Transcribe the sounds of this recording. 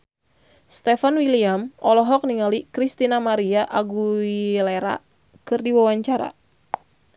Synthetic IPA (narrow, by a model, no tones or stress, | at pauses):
st̪ɛfanwiliamɔlɔɦɔk̚niŋalikɾist̪inamaɾiaʔaɡuileɾa̰ | kɨrdiwawaɲt͡ʃaɾa̰